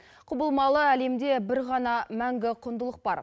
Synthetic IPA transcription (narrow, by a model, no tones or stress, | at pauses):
qʰʊbəlˠmɑlˠəæle̞md̪e̞bɪɾʁɑnɑmæŋɡʲɪqʰʊnd̪əlˠəq̚bɑɾ